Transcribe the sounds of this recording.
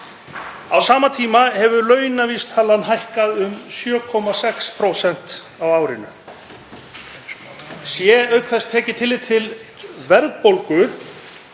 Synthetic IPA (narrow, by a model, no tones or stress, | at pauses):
a̰wsaːmat̪ʰiːmahɛvʏlœːɥnaviːst̪ʰaːlanɦajhkaðʏmsjœːkʰɔmasɛkspʰɾowsɛn̥t̪ | awaːwɾɪnʏ | sjɛœɥkθɛst̪ʰɛːcɪt̪ʰɪlːɪt̪ʰɪlvɛɾðpowlkʏ